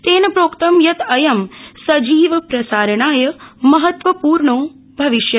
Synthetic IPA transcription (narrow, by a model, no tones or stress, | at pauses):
t̪eːnɐpɾoːkt̪ɐmjɐt̪ɐjɐmsɐd͡ʒiːʋɐpɾɐsaːɾɐɳaːjɐmɐɦɐt̪ʋɐpuːɾɳoː | bʱɐʋiʃjɐ